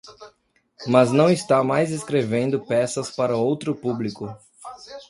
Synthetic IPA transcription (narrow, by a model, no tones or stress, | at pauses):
mɐznɐ̃w̃ist̪amajzeskɾevẽnd̪ʊpɛsɐspaɾɐowt̪ɾʊpublikʊ